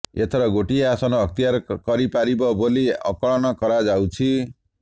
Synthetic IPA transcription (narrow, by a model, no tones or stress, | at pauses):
et̪ʰɔɾɔɡoʈieasɔnɔɦʌk̚t̪ijaɾkɔɾipaɾibɔboliɔ̰kɔɭɔnɔkɔɾad͡ʒawt͡ʃʰi